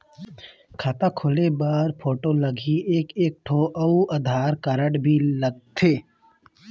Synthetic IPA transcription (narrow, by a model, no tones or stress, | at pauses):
kʰat̪ãkʰʊlebaːɾpʰoːʈoləɡʱieːkeːk̚ʈʰoːʔəuʔɐd̪ʱaːɾkəɾəʈbʱiləɡ̚t̪ʰeː